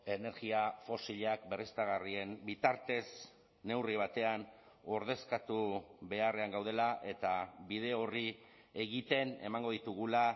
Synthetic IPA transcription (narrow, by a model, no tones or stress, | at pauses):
e̞ne̞ɾɣiafo̞siʎakbe̞rist̪aɣ̞arie̞mbit̪aɾt̪e̞s | ne̞wriβ̞at̪e̞an | o̞ɾð̞e̞skat̪uβe̞are̞aŋɡawð̞e̞laʔe̞t̪aβið̞e̞o̞ri | e̞ɣit̪e̞ne̞̰maŋɡo̞ðit̪uɣula